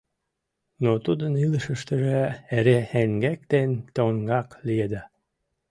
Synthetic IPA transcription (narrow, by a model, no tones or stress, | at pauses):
not̪ud̪əniləʃəʃt̪ə̆ʒeæɾehæŋɡæk̚t̪ent̪oŋɡɑklijed̪æ